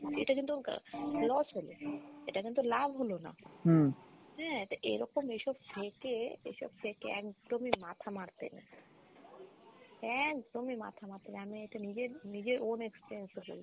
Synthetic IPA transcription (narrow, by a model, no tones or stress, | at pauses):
ḛʈakint̪ulɔsɦolo̰eʈakint̪ulabʱɦolona̰ | ɦɛeʈaʔḛɾɔkomejʃɔb̚tʰekeḛʃɔ̰b̚fʰekḛɛ̰kd̪̥omimat̪ʰamaɾt̪ḛna̰ | ɛkd̪omima̰t̪ʰamaɾt̪enaamieʈanid͡ʑeɾnid͡ʑeɾonekspiɾiensebo̰l